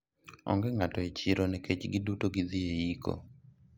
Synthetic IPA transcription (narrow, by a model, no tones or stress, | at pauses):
ɔ̰ŋɡɛŋatɔet͡ʃɪɾonɛket͡ʃɡɪdutoɡɪd̪ieiko̰